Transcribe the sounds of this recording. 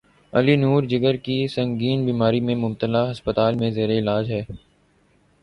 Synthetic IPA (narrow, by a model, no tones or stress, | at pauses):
ɐ̰linuːɾd͡ʒɪɡəɾkisɐ̃ŋɡiːnbiːmaːɾimẽmʊbt̪əlaɦɐspət̪aːlmẽzeːɾeɪlaːd͡ʒɦɛː